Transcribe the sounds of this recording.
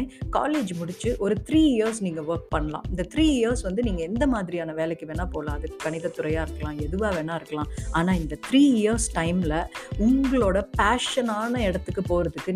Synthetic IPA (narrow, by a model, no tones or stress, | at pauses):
ka̰ːleːd͡ʒmʊɽɪt͡ʃːɯʔɔɾɯt̪ɾiːɪjɐɾsniːŋɡɐʋɐɾk̚pɐɳːɐlã̰ːɪnd̪ɐt̪ʰɾiːɪjɐɾsʋɐnd̪ɯniːŋɡɐɛnd̪ɐmaːðɪɾɪjaːnɐʋeːlɛkːɯʋeːnaːpoːlãːɐðɯkːkːɐɳɪðɐt̪ːʊɾɐjaːɪɾɯkːɐlãːɛðɯʋaːʋeːnaːɪɾɯkːɐlãːaːnaːɪnd̪ɐt̪ʰɾiːɪjɐɾsʈɐɪmlɐʊŋɡɐɭoːɽɐpaːʂɐnaːnɐɛɽɐt̪ːɯkːɯpoːɾɐðɯkːɯ